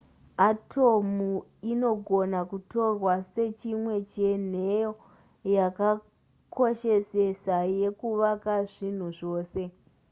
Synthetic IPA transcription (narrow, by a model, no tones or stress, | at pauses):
atʰo̞muino̞ɡʱo̞nakuto̞rwase̞t͡ʃimwe̞t͡ʃen̤ejo | jaka | kʰoʃe̞se̞saje̞kuʋakaʐin̤uʐo̞ːse̞